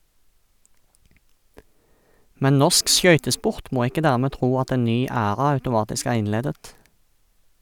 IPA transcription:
ˈmɛn ˈnɔʁsk ˈʃœʏtəˌspʊʁt ˈmoː ˈɪkə ˈdæːʁˌmeː ˈtʁuː ˈɑt ˈeːn ˈnyː ˈæːʁɑ ɑʉtʊˈmɑːtɪsk ˈæːʁ ˈɪnˌleːdət

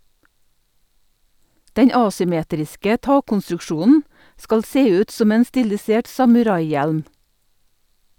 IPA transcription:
ˈdɛɲ ˈɑːsʏˌmeːtɾɪskə ˈtɑːkɔnstɾʉkˌʃuːnn̩ ˈskɑl ˈseː ˈʉːt ˈsɔm ˈeːn ˈstɪlɪˌseːʈ sɑmʉˈɾɑɪˌjɛlm

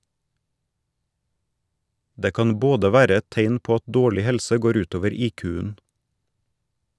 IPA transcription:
ˈdeː ˈkɑn ˈboːdə ˈʋæːɾə ˈɛt ˈteɪn ˈpoː ˈɑt ˈdoːɭɪ ˈhɛlsə ˈɡoːɾ ˈʉːt ˈoːʋəɾ ˈiːkʉːən

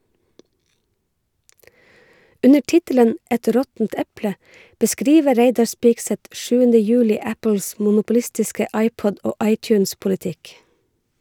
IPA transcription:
ˈʔʉnə ˈʈɪtələn ˈʔɛt ˈɾɔtn̩t ˈɛplə bəˈskɾiːʋə ˈɾeɪdɑɹ ˈspɪksɛt ˈʃʉːəndə ˈjʉːlɪ ˈæpəls mʊnʊpʊˈlɪstɪskə ˈɑɪpɔd ˈoː ˈɑɪt͡ʃʉnspʊlɪˌtɪk

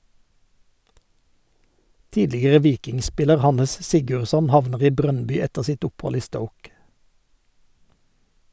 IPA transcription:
ˈtiːdlɪɡəʁə ˈʋiːkɪŋˌspɪləʁ ˈhɑnəs ˈsɪɡʉʁˌsɔn ˈhɑʋnəʁ ˈiː ˈbʁœnˌbʏ ˈɛtəʁ ˈsɪt ˈʊpˌhɔl ˈiː ˈstəʊk

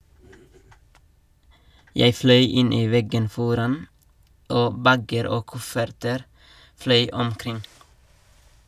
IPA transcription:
ˈjeɪ ˈflœʏ ˈɪn ˈiː ˈʋɛɡən ˈfɔɾɑn ˈoː ˈbæɡəɾ ˈoː ˈkʊfəɾtəɾ ˈflœʏ ɔmˈkɾɪŋ

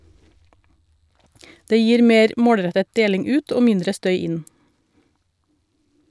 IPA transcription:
ˈdeː ˈjiːɾ ˈmeːɾ ˈmoːɽˌɾɛtət ˈdeːlɪŋ ˈʉːt ˈoː ˈmɪndɾə ˈstœʏ ˈɪn

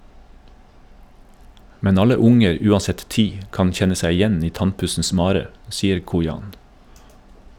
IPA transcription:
ˈmɛn ˈɑlə ˈʊŋəɾ ˈʉːɑˌsɛt ˈtiː ˈkɑn ˈçɛnə ˈsæɪ ɪˈjɛn ˈiː ˈtɑnˌpʉsn̩s ˈmɑːɾə ˈsiːəɾ ˈkuːjɑːn

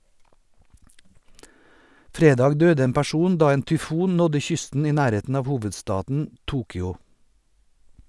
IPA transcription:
ˈfɾeːˌdɑːɡ ˈdøːdə ˈeːm pæˈʃuːn ˈdɑː ˈeːn tʏˈfuːn ˈnɔdə ˈçʏstn̩ ˈiː ˈnæːˌɾeːtn̩ ˈɑːʋ ˈhuːʋədˌstɑːdn̩ ˈtuːkʏɔ

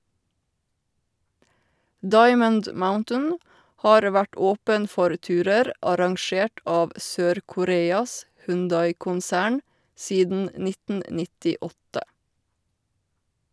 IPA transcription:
ˈdɑɪmənd ˈmaʊntən ˈhɑːɾ ˈʋæʈ ˈoːpən ˈfɔɾ ˈtʉːɾəɾ ʔɑɾɑŋˈʃeːʈ ˈɑːʋ ˈsøːɾkʊˌɾeːɑs hʉnˈdɑɪkʊnˌsæːɳ ˈsiːdn̩ ˈnɪtn̩ nɪtɪˈɔtə

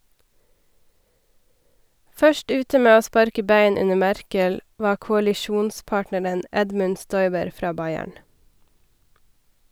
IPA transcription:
ˈfœʃʈ ˈʉːtə ˈmeː ˈoː ˈspɑɾkə ˈbæɪn ˈʉnə ˈmæɾkəl ˈʋɑː kʊɑlɪˈʃuːnˌspɑːʈnəɾən ˈɛdmʉn ˈstɔʏbəɾ ˈfɾɑː ˈbɑɪæɳ

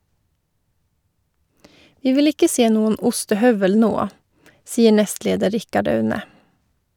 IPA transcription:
ˈʋiː ˈʋɪl ˈɪkə ˈseː ˈnuːən ˈʊstəˌhœʋəl ˈnoː ˈsiːə ˈɳɛstˌleːdə ˈɾɪkɑɖ ˈɑʉnə

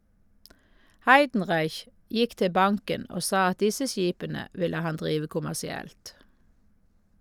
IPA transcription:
ˈhɑɪdn̩ˌʁɑɪç ˈjɪk ˈtɪ ˈbɑŋkən ˈoː ˈsɑː ˈɑt ˈdɪsə ˈsjiːpənə ˈʋɪlə ˈhɑn ˈdʁiːʋə kʊmæsɪˈɛlt

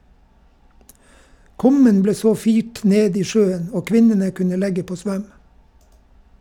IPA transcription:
ˈkʉmən ˈbleː ˈsoː ˈfiːʈ ˈneːd ˈiː ˈʃøːən ˈoː ˈkʋɪnənə ˈkʉnə ˈlɛɡə ˈpoː ˈsʋœm

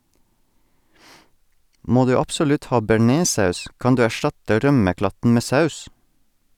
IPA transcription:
ˈmoː ˈdʉː ɑpsʊˈlʉt ˈhɑː bæˈɳeːˌsɑʉs ˈkɑn ˈdʉː æˈʃtɑtə ˈɾœməˌklɑtn̩ ˈmeː ˈsɑʉs

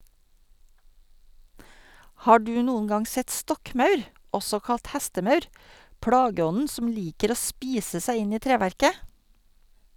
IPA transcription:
ˈhɑː ˈɖʉː ˈnuːən ˈɡɑŋ ˈsɛt ˈstɔkˌmɑʉɾ ˈɔsɔ ˈkɑlt ˈhæstəˌmɑʉɾ ˈpɽɑːɡəˌɔnən ˈsɔm ˈliːkəɾ ˈoː ˈspiːsə ˈsæɪ ˈɪn ˈiː ˈtɾeːʋæɾkə

